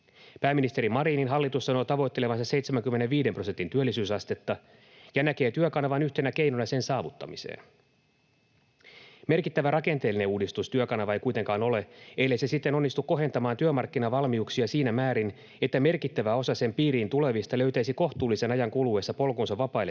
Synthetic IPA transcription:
pæːmːinist̪e̞ɾimɑɾiːninɦɑlːit̪usːɑno̞t̪ɑʋo̞jt̪ːele̞ʋɑnsɑse̞jt̪semæŋkymːe̞ne̞ʋʋiːde̞mpro̞se̞nt̪int̪yølːisyːsɑst̪e̞t̪ːɑ | jɑnæke̞ːt̪yøkɑnɑʋɑnyçt̪e̞næke̞jnonɑse̞nsɑːʋut̪ːɑ̰misḛːn | me̞rkit̪ːæʋærɑke̞nt̪e̞ːlːine̞uːdist̪ust̪yøkɑnɑʋɑejkujt̪e̞ŋkɑːno̞le̞e̞jlːese̞sit̪ːe̞no̞nːist̪ukːo̞ɦe̞nt̪ɑmɑːnt̪yømɑrkːinɑʋɑlmiuksiɑsiːnæmæːɾin | e̞t̪ːæme̞rkit̪ːæʋæo̞sɑse̞mpiːɾiːnt̪ule̞ʋist̪ɑlø̞ɥt̪æisiko̞xt̪uːlːise̞nɑjɑŋkulue̞ːsːɑpo̞lkonsɑʋɑpɑijle

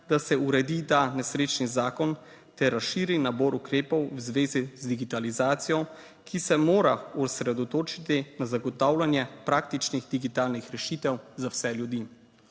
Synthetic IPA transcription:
d̪asɛuɾɛd̪it̪anɛsɾeːt͡ʃnizaːkɔn | t̪ɛɾːasʃiːɾinabɔːɾukɾeːpɔwwzʋeːzizd̪iɡit̪alizaːt̪sijɔ | kʰisɛmoːɾausɾɛd̪ɔt̪oːt͡ʃit̪inazaɡɔt̪awlanjɛpɾaːk̚t̪it͡ʃniɣd̪iɡit̪aːlnixɾɛʃit̪ɛwzawsɛljud̪iː

